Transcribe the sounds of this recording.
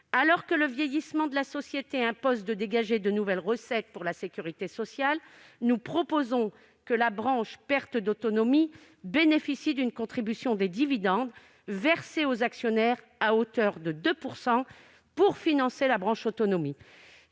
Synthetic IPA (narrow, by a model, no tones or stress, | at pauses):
alɔʁkələvjejismɑ̃d̪əlasɔsjet̪eɛ̃pozd̪əd̪eɡaʒed̪ənuvɛlʁəsɛt̪̚puʁlasekʲyʁit̪esɔsjal | nupχɔpozɔ̃ | kəlabʁɑ̃ʃpɛʁt̪d̪ot̪ɔnɔmi | benefisid̪ynkɔ̃t̪χibysjɔ̃d̪ed̪ivid̪ɑ̃d̪ | vɛʁseozaksjɔnɛʁ | aot̪œʁd̪əd̪øpuʁsɑ̃ | puʁfinɑ̃selabʁɑ̃ʃot̪ɔnɔmi